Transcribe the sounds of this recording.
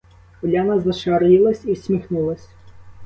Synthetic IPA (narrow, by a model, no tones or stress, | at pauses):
ɔlʲanɐzɐʃɑɾjilˠɐsʲisʲmʲixnulˠɐsʲ